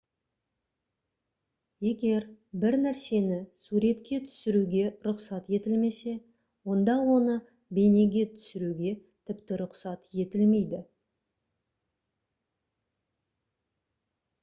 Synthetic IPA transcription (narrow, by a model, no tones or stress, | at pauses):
je̞ɡʲe̞ɾbɪɾnæɾse̞nɪsuɾe̞t̪kʲe̞t̪ʰʏ̥sɪɾuɡʲe̞ɾʊqsɑt̪je̞t̪ɪlme̞se̞ | wo̞nd̪ɑwo̞nə | be̞jne̞ɡʲe̞t̪ʰʏ̥sɪɾuɡʲe̞t̪ʰɪpt̪ɪɾʊqsɑt̪je̞t̪ɪlme̞jd̪ɪ